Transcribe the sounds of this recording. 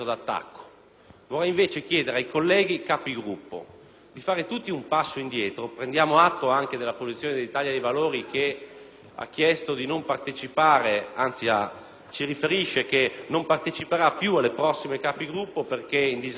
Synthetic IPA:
od̪at̪ːa̰kːo̥ | vorɛjiɱveːt͡ʃek̟jɛːd̪eɾeajkolːɛːɡ̟ikaːpiɡɾupːo̰ | d̪ifaːɾet̪ut̪ːiumpasːoind̪jɛːt̪ɾopɾend̪jaːmoat̪ːoaŋk̟ed̪elːapozit̪sːjoːned̪elːit̪aːʎjad̪ejvaloːɾike | a̰k̟ːjɛst̪od̪inompart̪et͡ʃipaːɾeant̪sia | t͡ʃiɾifeɾiʃːekenompart̪et͡ʃipeɾapjualːepɾɔsːimekaːpiɡɾupːoperkeind̪iz

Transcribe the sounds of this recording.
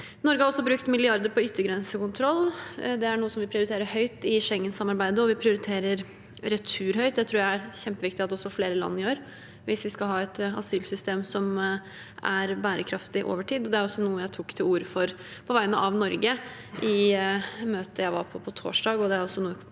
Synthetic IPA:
nɔɾɡəhɑɾɔsːɔbɾʉkt̪mɪlɪɑɾd̪əɾpʰɔʏt̪ːəɾɡɾɛnsəkʊnt̪ʰɾɔlːd̪ɛæɳuːəsɔmʋɪpʰɾɪʊɾɪt̪ʰeːɾəhœʏt̪ɪʂɛŋːənsɑmːɑɾbæɪd̪əɔʋɪpʰɾɪʊɾɪt̪ʰeːɾəɾ | ɾɛt̪ʰʉːɾhœʏd̪æɪt̪ʰɾuːɾjæɪæɾçɛmpəʋɪkt̪ɪɑt̪ɔsːɔfleːɾəlɑ̰nːɪoːɾ | ʋɪsʋɪskɑlɦɑːɛt̪ɑ̰syːlsʏst̪eːmsɔm | ʔæɾbæːɾəkʰɾɑft̪ɪʔo̰ːʋəʈʰiːd̪ɔd̪ɛæɾɔsːɔnuːəjæɪt̪ʰuːkt̪ʰɪluːɾəfɔɾ | pʰɔʋæɪnəʔɑʋnɔɾɡə | ʔɪ | møːt̪əjæɪʋɑ̰ɾpʰɔpʰɔt̪ʰo̰ːʂɖɑːɡɔd̪ɛæɾɔsːɔnuːə

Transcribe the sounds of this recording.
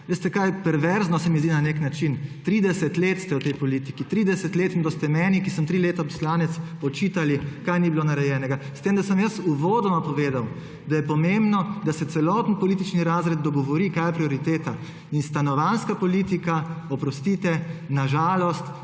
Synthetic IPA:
ʋest̪ɛkajpɛɾʋɛɾznɔsɛmizd̪inaneknat͡ʃint̪ɾiːd̪ɛsɛt̪leːt̪st̪ɛwt̪ɛjpɔlit̪i̥kit̪ɾiːd̪ɛsɛt̪leːt̪md̪ɔst̪ɛmɛːnikisəmt̪ɾileːt̪apɔ̥slaːnɛt̪sɔt͡ʃiːt̪alikajnibiloːnaɾɛjɛːnɛɡast̪eːmd̪asəmjəsuʋoːd̪ɔmapɔʋeːd̪aw | d̪ajɛpɔmembnɔd̪asɛt̪sɛlɔːt̪npɔliːt̪̬it͡ʃniɾaːzɾɛd̪̚d̪ɔɡɔʋɔɾikaːjɛpɾiɔɾit̪eːt̪a | inst̪anɔʋanskapɔliːt̪ikaɔpɾɔst̪it̪ɛnaʒaːlɔst̪

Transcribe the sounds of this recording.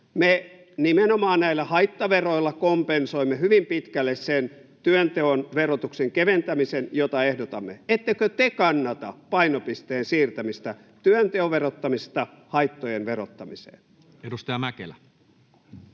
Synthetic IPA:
me | nimenomɑːnnæilːˑæhɑit̪ːɑʋeroilːɑkompensoimːehyʋimpit̪kælːessent̪yønt̪eonʋerot̪ukseŋkeʋent̪æmisenjot̪ɑehdot̪ɑmːeet̪ːekøt̪ekɑnːɑt̪ɑ̰pɑinopist̪eːnsiːrt̪æmist̪æ | t̪yønt̪eoʋerot̪ːɑmist̪ɑ | hɑit̪ːojenʋerot̪ːɑmisḛːn | edust̪ɑjɑmækḛlæ

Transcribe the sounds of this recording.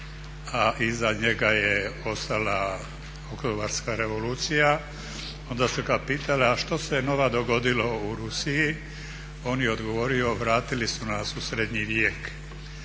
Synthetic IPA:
aʔizaɲe̞ɡajeo̞st̪ala | okt̪obaɾskaɾe̞ʋo̞luːt̪sija | o̞nd̪asukad̪piːt̪aleaʃt̪o̞seno̞ʋad̪o̞ɡo̞d̪ilo̞uɾusiji | o̞ːnjeod̪ɡo̞ʋo̞ːɾio̞ʋɾaːt̪ilisunasusɾed̪ɲiʋjeːk

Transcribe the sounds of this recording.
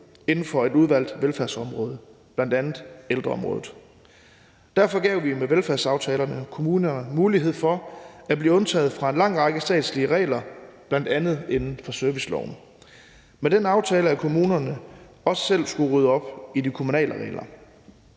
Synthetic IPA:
e̝nn̩fɒ̽e̝d̥uð̞ˠʋæl̰d̥ʋelfæɐ̰sɒ̽mʁɔ̽ːð̞ˠəb̥lænd̥ænð̩ˠeld̥ʁɐɒ̽mʁɔ̽ːð̩ˠ | d̥æɐfɒ̽ɡ̥ɛʊʋimeʋelfæɐsɑ̈ʊt͡sʰɛːlɐnəkʰo̝muːnɐnəmuːliɦe̝ð̞̰ˠfɒ̽æb̥liːɔ̽nt͡sʰɛ̰ːðˠfʁɑ̈e̝nlɑ̈ŋ̰ʁɑ̈ɡ̥əsd̥ɛ̰ːd̥sliəʁɛ̰ːlɐb̥lænd̥ænð̞̩ˠe̝nn̩fɒ̽søɐʋislɒ̰ʊ̰n | med̥enɑ̈ʊt͡sʰɛːləækʰo̝muːnɐnə | ɒ̽sə̥sel̰sɡ̥uʁyð̞ˠəɒ̽b̥idikʰo̝munɛ̰ːləʁɛ̰ːɪlʔɐ

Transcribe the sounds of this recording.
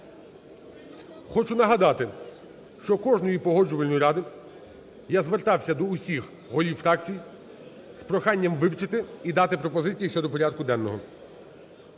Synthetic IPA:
xɔt͡ʃʊnɐɦɐd̪ɑt̪ɪ | ʃt͡ʃɔkɔʒnɔjipɔɦɔd͡ʒʊʋɐlʲnɔjiɾɑd̪ɪ | jazʋert̪ɑwsʲɐd̪ɔʊsʲix | ɦɔlʲiwfɾɑk̚t͡sʲij | spɾɔxɑnʲːɐmʋɪwt͡ʃɪt̪ɪid̪ɑt̪ɪpɾɔpɔzɪt͡sʲijiʃt͡ʃɔd̪ɔpɔɾʲad̪kʊd̪ɛnːɔɦɔ

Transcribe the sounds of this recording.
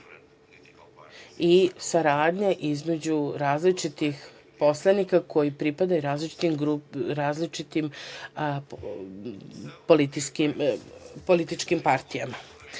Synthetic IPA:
isaɾaːd̪ɲaʔizme̞d͡ʑuɾaːzlit͡ʃit̪ix | po̞slˠanikako̞jipɾipad̪ajuɾaːzlit͡ʃi̥t̪imɡɾuɾaːzlit͡ʃit̪im | polit̪iskimpo̞lit̪it͡ʃkimpaɾt̪ijama

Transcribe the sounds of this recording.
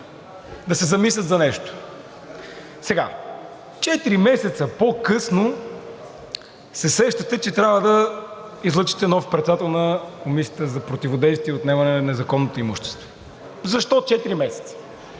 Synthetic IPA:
d̪ɐsɛzɐmislʲət̪zɐnɛʃt̪o̥ | sɛɡa | t͡ʃɛt̪iɾimɛsɛt̪səpokɤsno | sɛsɾɛʃt̪ət̪ɛt͡ʃɛt̪ɾʲavəd̪ɐ | izlˠɤt͡ʃi̥t̪ɛnɔfpɾɛt̪d̪at̪ɛlˠnəkomisʲiət̪əzɐpɾot̪ivod̪ɛjst̪viɛot̪nɛmɐnɛnɛzɐkɔnːot̪oimuʃt̪ɛ̥st̪vo̥ | zɐʃt̪ɔt͡ʃɛt̪iɾimɛsɛ̥t̪sə̥

